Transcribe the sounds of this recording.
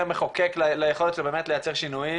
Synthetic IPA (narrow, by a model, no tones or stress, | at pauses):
ameχokeklalajeχo̞let̪lebeːmetlejat͡seʁʃinuji